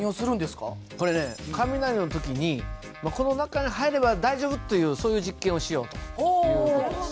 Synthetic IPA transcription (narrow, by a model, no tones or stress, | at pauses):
ĩosɨɾɯ̃nd̪e̞sɨ̥ka̰ | ko̞ɾe̞ne̞kamʲinaɾʲinot̪o̞kʲiɲ̟i | mako̞no̞nakaɲ̟ihaeɾe̞bad̪aiʑo̞ːbɯ̟t̪ːe̞jɯ̟ːso̞ːjɯ̟ːʑikːẽɰ̃o̞ɕijo̞ːt̪o̥o